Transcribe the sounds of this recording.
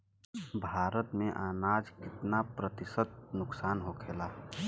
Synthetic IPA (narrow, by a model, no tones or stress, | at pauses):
bʱaːɾət̪mẽʔaːnaːd͡ʒkɪt̪napɾət̪ɪsət̪̚nʊksaːnɦokʰeːlaː